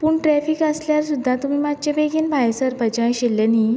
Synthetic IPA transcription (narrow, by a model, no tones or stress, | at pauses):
puːɳʈɾɛfikəsljaɾsud̪ʱːat̪um̤iːmad͡ʑ̚t͡ɕabeɡinbʱajsəɾbʱəd͡ʑãjɕilːeniː